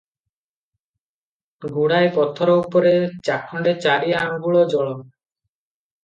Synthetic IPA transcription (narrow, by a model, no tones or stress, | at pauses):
ɡuɽajpɔt̪ʰɔɾoupɔɾet͡ʃakʰːɔɳɖet͡ʃaɾiɦaŋɡuɭod͡ʒɔɭɔ